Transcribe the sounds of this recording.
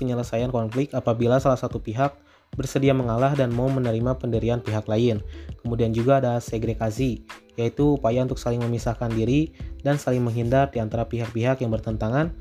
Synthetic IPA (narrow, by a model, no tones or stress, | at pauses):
pəɲələsajankɔnflɪk̚t̪apabilasalahsat̪upiɦak̚ | bərsədiaməŋalahdanmaumənəɾimapəndəɾianpiɦaklaɪnkəmudiand͡ʒuɡaːdalaseɡɾeɡasijait̪uːpajaunt̪ʊk̚salɪŋməmisahkandiɾidansalɪŋməŋɦindardiant̪aɾapiɦak̚piɦakjaŋbərt̪ənt̪aŋan